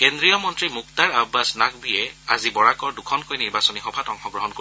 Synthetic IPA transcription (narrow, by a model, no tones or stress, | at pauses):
kendɹijɔmɔntɹimuk̚taɹabːasnakbiɛa̰zibɔɹakɔɹdukʰɔnkojniɹbasɔnixɔbʱatɔŋxɔɡɹɔɦɔnko